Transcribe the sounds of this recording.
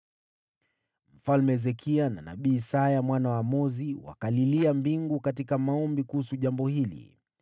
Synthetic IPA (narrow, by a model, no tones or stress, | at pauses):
m̩falmɛzɛkʰiana̰na̰ɓiːsajamwanawamɔziwa̰kaliliambiŋɡukat̬ikamaɔmbikuhusuʄambɔhilḭ